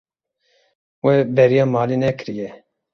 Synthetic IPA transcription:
wɛbɛɾijɑːmɑːlinɛkɨɾijɛ

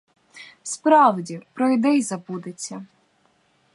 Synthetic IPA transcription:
wspɾɑwdʲipɾɔjd̪ɛjzɐbud̪et͡sʲːɐ

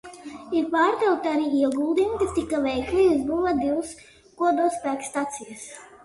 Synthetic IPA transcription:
iɾpaːɾt̪ɛlk̚t̪aɾiːiɛɡuːlˠd̪ijumt̪ʲit̪ikːavɛjklʲijuzbuvad̪iws | kuɔd̪ɔspæːkst̪at̪sijas

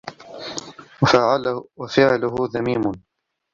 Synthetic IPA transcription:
waʕawafɪʕlʊɦʊðamiːmʊn

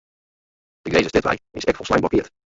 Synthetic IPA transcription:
dɪɡdejzəstɪtʋa̰jɪ̰sɛkfɔlˠslajnblɑkɪːɹt

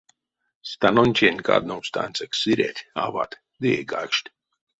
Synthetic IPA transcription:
st̪anɔnʲt͡ʃʲenʲka̰ːd̪̚nowst̪a̰nʲsaksiɾʲɛ̰t̪ʲa̰va̰ːt̪ | d̪iɛɡakʃt̪ʲ

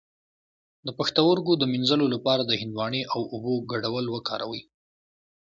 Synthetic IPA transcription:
d̪əpaxt̪awəɾɡod̪əminzəlolapɑɾad̪əhɪnd̪wɑɳeʔawuboɡaɽawəlwəkʰɑ̰ɾa̰wəj

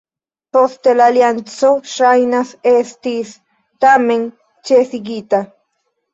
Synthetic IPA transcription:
post̪elaljant͡soʃajnasest̪is | t̪ameŋ | t͡ʃeθiɡit̪a

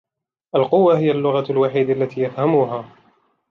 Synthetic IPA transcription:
ʔalqʊwːaɦɪjalːʊɣalwaħiːd̪alːat̪ʰiːjafhamuɦaː

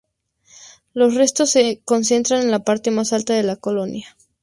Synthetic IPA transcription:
lo̞sre̞st̪o̞sːeko̞nse̞nt̪ɾane̞nlapaɾt̪e̞masalt̪aðe̞lako̞lo̞nja

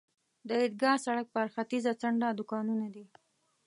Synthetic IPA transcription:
d̪əɪd̪̚ɡɑsaɽak̚pəaɾxat̪izat͡saɳɖad̪ʊkɑnunad̪i

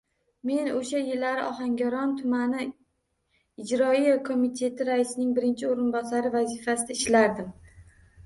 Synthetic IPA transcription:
me̞noʃajɪlːaɾɪʔɒɦaŋɡʲaɾɒnt̪ʰʊmanɪ | ɪd͡ʒɾɒijakʰomit̪ʰe̞t̪ʰɪɾaɪsɪnɪŋbɪɾɪnt͡ʃʰɪoɾɪnbɒsaɾɪvazɪfasɪd̪aɪʃlaɾd̪ɪm

